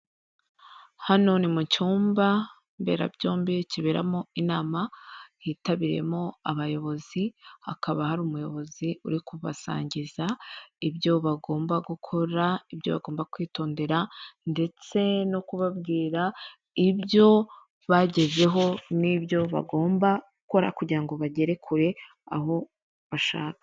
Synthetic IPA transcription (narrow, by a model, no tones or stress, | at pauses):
hano̞nimucuːmba | mbe̞̰ːɾa̰bɟoːmbiciβe̞ːɾa̰moinaːmahitaβiɾe̞̰mo̞aβajo̞βo̞zia̰kʰaβahaɾumujo̞βo̞ziuɾikuβa̰sa̰ːɲɟizaibjo̞βaɡo̞ːmbaɡukʰo̞ɾaiβjo̞̰βa̰ɡo̞ːmbakwiːto̞ːnde̞ɾande̞t͡se̞no̞kuβab̚ɡiːɾa | ibjo̞ | βaɟe̞zje̞ɦo̞nibjo̞βa̰ɡo̞ːmbaɡuko̞ɾa̰kuɟiɾaŋɡo̞βaɟe̞ɾe̞kʰuɾe̞ | a̰ho̞ | βaʃa̰ːkḁ